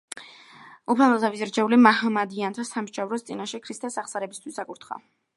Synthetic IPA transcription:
upʰalmazʰavizɾt͡ʃʰɛulimaɦamad̪iant̪ʰasamʃʃavɾɔst̪sʼinaʃɛkʰɾist̪ʰɛsaχsaɾɛbist̪ʰwisd̪akʼuɾt̪ʰχa̰

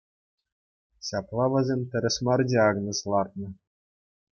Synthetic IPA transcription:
ɕɑplˠɑʋʲɘ̆zʲemʲt̪ʲɘ̆ɾʲɘ̆ɕmɑrd͡ʑʲeɑɡnɤ̆slˠɑrt̪̚nɤ̆

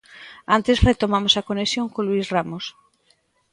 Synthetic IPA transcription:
ant̪esret̪omamosakoneksjoŋkolwisramos

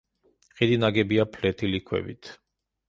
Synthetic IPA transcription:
χid̪inaɡɛbiapʰlɛt̪ʰilikʰwɛ̰bḭt̪ʰ

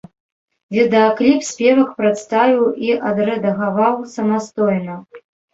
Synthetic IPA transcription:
vʲɛd̪ɨaklʲipsʲpʲɛvɐxpɾat̪st̪avʲiwiʔɐd̪ɾɛd̪ɐɣavawsɐmast̪ɔjnɐ

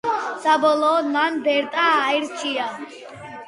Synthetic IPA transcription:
sabɔlɔmanb̪ɛɾt̪ʼaːiɾt͡ʃʰia

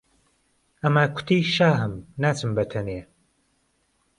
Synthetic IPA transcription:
ɐmaːkʷʰʊ̥t̪ʰiːʃaːɦɨmnaːt͡ʃɨmbɐt̪ʰɐneː

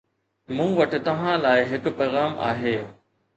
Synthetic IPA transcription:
mũːʋɐʈɪ̆t̪ɐʋ̤ãlaːɪɦɪkpɐːɣaːma̰ːɦeː

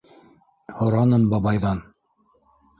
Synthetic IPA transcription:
hŏɾɑnɤmbɑβɑjðɑn

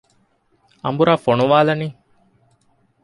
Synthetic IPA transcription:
ɐ̰mbuɾaːfonuʋaːlɐniː

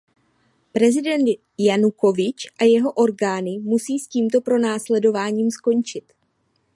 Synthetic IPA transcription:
pɾɛzɪdɛnt̪ | januko̞vɪt͡ʃʔajɛɦo̞ʔo̞ɾɡaːnɪmusiːsciːmt̪o̞pɾo̞naːslɛdo̞vaːɲiːmsko̞ɲt͡ʃɪt̪

